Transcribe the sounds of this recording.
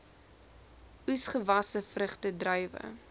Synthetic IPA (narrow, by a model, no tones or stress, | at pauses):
usχəvɐsəfrəχtədrœjvə̰